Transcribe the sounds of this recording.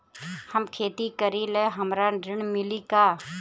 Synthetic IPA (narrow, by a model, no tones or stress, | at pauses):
həmkʰeːt̪ikəɾileɦɐmɾaɾɪɳ̃mɪlikaː